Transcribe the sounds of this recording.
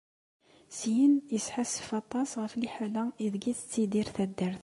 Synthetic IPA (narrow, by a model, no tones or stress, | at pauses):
sjənjəsħasə̥fɑt̪ˤɑsʁəfliħalæiðɡiθə̥t͡sːid̪iɾθæd̪ːəɾθ